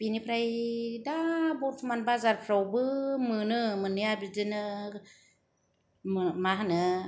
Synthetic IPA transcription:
b̥inipʰɾajdabot̚smanbazaɾpʰɾawbɯmɯnɯmɯniabidinɯ | mmaɦanɯ

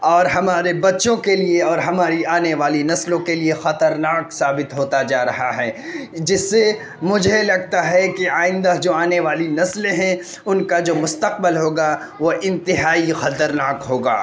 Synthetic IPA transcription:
ɔːɾɦɐmaːɾebɐtːʃõkelieɔːɾɦɐmaːɾiaːneʋaːlinɐslõkeliexɐt̪əɾnaːksaːbɪt̪ɦoːt̪ad͡ʒaːɾɐɦaɦɛːd͡ʒɪsːe | mʊd͡ʒʱelɐɡ̚t̪aɦɛkiaːɪ̃nd̪ad͡ʒoːaːneʋaːlinɐslɦɛ̃ | ʊnkad͡ʒoːmʊst̪əq̚bɪlɦoːɡa | ʋoʔɪ̃nt̪ɪɦaːixɐt̪əɾnaːkɦoːɡa̰ː

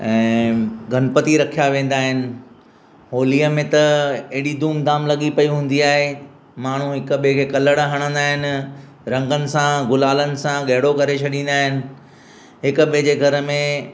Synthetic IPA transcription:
ɛ̃ːɡʱɐnpət̪iɾɐkʰijaʋẽːn̆d̪aːɦɪnɪ̆ | ɦoːliːəmẽt̪ɐɐɦɪɽid̪uːmd̪aːmlɐɠipɐiɦũːn̆d̪iaːɦe | maːɳ̤ũɦɪkʊ̆ɓikʰeːkɐləɽɦɐɽ̃ə̃nd̪aːɦɪnɪ̆ | ɾɐ̃ŋɡənɪ̆sãɡʊlaːlənɪ̆sãɠɐɦɪɽokɐɾet͡ɕʰɐɗĩːn̆d̪aːɦɪnɪ̆ | ɦɪkɓɪd͡ʑeːɡʱɐɾəmẽ

